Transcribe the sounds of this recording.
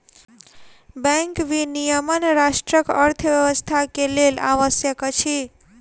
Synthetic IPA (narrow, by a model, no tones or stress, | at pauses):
bəŋkʋinijəmənɾasʈɾəkʌɾt̪ʰəbjʌwəst̪ʰakelela̰wəsjəkt͡ʃʰi